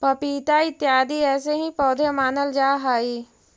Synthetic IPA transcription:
pɐpiːt̪aɪt̪ːjaːd̪ʱiɛːseɦĩpɔːd̪ʱemaːnəld͡ʒaːɦaːiː

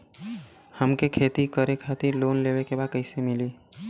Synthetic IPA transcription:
həmkekʰeːt̪ikəɾekʰaːt̪iɾloːnleːʋekebaːd̪̚kəɪsemɪliː

